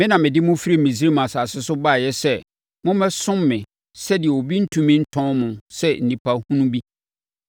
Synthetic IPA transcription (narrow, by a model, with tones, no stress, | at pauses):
mɪ̃˦nã˨mɪ̃˨dɪ˦mʊ̃˦fi˦ɾi˦˨mĩ˨si˦ɾi˦mã˨sa˨sɪ˦sʊ˦ba˦˨jɛ˦sɛ˦˨ | mʊ̃˦mɛ̃˦sʊ̃˦mːɪ̃˨ | sɛ˦dɪ˨ɛ˨o˨bi˦n̩˦tʰũ˨mɪ̃˦n̩˦tʰɔ̃˦mʊ̃˨sɛ˦n̩˨nĩ˨pʰa˦hũ˦nũ˦bi˦